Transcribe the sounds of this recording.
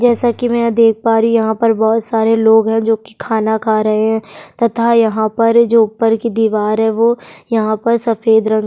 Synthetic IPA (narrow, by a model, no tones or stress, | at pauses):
d͡ʒɛːsakimɛ̃d̪eːk̚ʰpaːɾijɐɦãpɐɾbɔːt̪saːɾeloːɡɦɛ̃d͡ʒoːki̥kʰaːnakʰaːɾɐɦeɦɛ̃t̪ɐt̪ʰajɐɦãpɐɾd͡ʒoːʊpːəɾkid̪iːʋaːɾɦɛʋojɐɦãpɐɾsɐfeːd̪ɾɐ̃ŋ